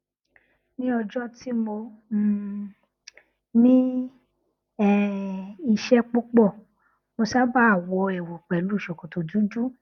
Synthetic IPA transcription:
nĩ˦ɔ˧d͡ʒɔ˦ti˦mo˧˦ | nĩ˦ | ɛ˦˨i˧ʃɛ˦k͡po˦k͡pɔ˦˨ | mo˧ʃa˦ba˦a˦˨wɔ˧ɛ˨wo˨k͡pɛ˨lu˦˨ʃɔ˨kɔ̃˨to˨d͡ʒũ˦d͡ʒu˦

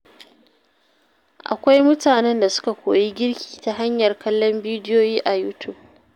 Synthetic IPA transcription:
ʔa̰˨kʷa˦jmʊ˦taː˨nɛ˦nda˨sʊ̥˦ka˨kʷoː˨ji˦ɡʲɪ˦rkʲʰi̥ː˨ta˦ɦa˦ɲjɐ˨rkɐ˦lːɔ˦mbiː˦dɪ˦joː˦jiː˦ʔa˨juː˦tʰʊ˦˨b̚

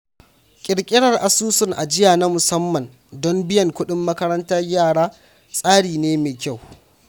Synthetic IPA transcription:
kʲʼɪ˨ɽkʲʼɪ˦ɽɐ˨rʔa˨suː˦sʊ˦ŋʔa̰˨d͡ʒɪ˦jaː˨na˦mʊ˨sɐ˦mːɐ˨n | dɔ˦mbɪ˦jɐ˨ŋkʷʊ˦ɗɪ˦mːɐ˦kɐ˦ɾɐ˦ntɐ˦rjaː˦˨ɽaː˦ | sʼaː˦ɽiː˨neː˦meː˨kʲa˦˨w

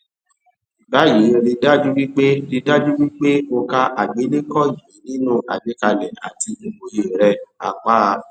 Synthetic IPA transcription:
i˨ba˨˦ji˨˦˧ɾi˧da˦d͡ʒu˦wi˦k͡pe˦ɾi˧da˦d͡ʒu˦wi˦k͡pe˦o˧ka˦ʔa˨ɡ͡be˨˦le˦kɔ˦ji˨˦nĩ˦nũ˦ʔa̰˨d͡ʒe˨˦ka˧lɛ˨a̰˨ti˧o˨ɡ͡bo˨je˨ɾɛ˧a̰˨k͡pa˦˧

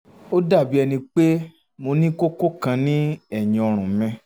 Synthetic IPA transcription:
o˦da˦˨bi˨˦ɛ˧nĩ˧k͡pe˦ | mo˧nĩ˦ko˦ko˦kã˧nĩ˦ɛ˦˨ɲĩ˨ɔ˧ɾ̃ũ˨mɛ̃˧

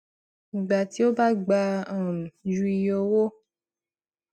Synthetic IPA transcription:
ɡ͡ba˨ti˨˦o˦ba˦ɡ͡ba˧a˦˨ũ˨d͡ʒu˧i˧jo˧wo˦

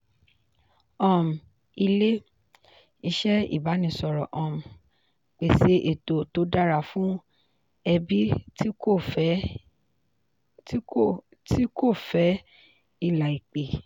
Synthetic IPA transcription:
ɔ̃˧˨m̩˨ | i˧le˦ | i˧ʃɛ˦ḭ˦˨ba˨˦nĩ˧˨sɔ˧ɾɔ˨ʔɔ̃˨m̩˨ | k͡pe˨se˧ʔe˨to˨to˨˦da˦ɾa˧˨fũ˦ | ɛ˧bi˦o˦˨˦ | ti˦ko˦˨fɛ˨˦ | i˦˨la˨i˨k͡pe˨

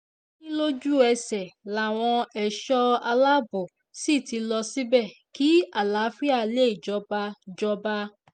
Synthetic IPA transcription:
nĩ˦lo˦d͡ʒu˦ɛ˧sɛ˨la˨˦˨w̃ɔ̃˧ɛ˨ʃɔ˦a˧la˦bo˨ | si˦˨ti˧lɔ˧si˦bɛ˦˨ki˨˦a˦˨la˨˦fi˦a˦˨le˦i˨d͡ʒɔ˧˦ba˧d͡ʒɔ˧ba˧

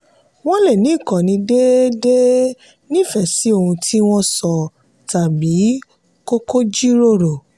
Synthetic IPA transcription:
w̃ɔ̃˦le˦˨nĩ˨˦˨kɔ̃˨nĩ˧de˦de˦ | nĩ˦˨fɛ˨si˨˦o˦˨hũ˧tʰi˦w̃ɔ̃˦sɔ˨ | ta˨bi˨˦ | ko˦ko˦d͡ʒi˦ɾo˦˨ɾo˨

